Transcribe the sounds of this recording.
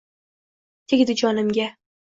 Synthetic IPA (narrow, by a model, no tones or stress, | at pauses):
t̪ʰeɡʲd̪ɪd͡ʒɒnɪmɡʲa